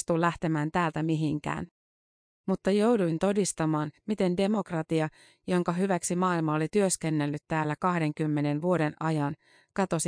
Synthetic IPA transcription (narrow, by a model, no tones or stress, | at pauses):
t̪ulæht̪e̞mæːnt̪æːlt̪æmiɦiŋk̟æ̰ːn | mut̪ːɑjo̞wduint̪o̞dist̪ɑmɑːnmit̪e̞nde̞mo̞krɑt̪iɑ | jo̞ŋkɑɦyʋæksimɑːilmɑolit̪yøske̞nːe̞lːyt̪tːæːlːækɑhde̞ŋk̟ymːe̞ne̞nʋuo̞de̞nʔɑjɑn | kɑt̪o̞s